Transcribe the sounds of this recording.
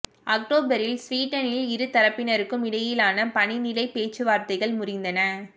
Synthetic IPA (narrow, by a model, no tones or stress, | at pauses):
ʔɐk̚ʈoːbɐɾɪlsʋiːʈːɐnɪlɪɾɯt̪ɐɾɐpːɪnɐɾɯkːɯmɪɽɐjɪlaːnɐpɐnɪnɪlɐɪpeːt͡ʃːɯʋaːɾt̪ɐɪɣɐɭmʊrɪnd̪ɐnɐ